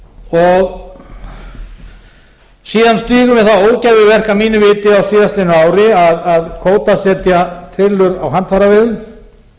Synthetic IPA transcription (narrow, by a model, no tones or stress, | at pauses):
ɔɣ | siːðanst̪iːɣʏmɛðθaoːwcajvɪvɛr̥kamiːnʏvɪːt̪ɪawsiːðast̪lɪnʏaːwɾɪaðaðkʰoːwt̪asɛːt̪jat̪ʰɾɪlːʏɾawɦant̪haɾavɪðn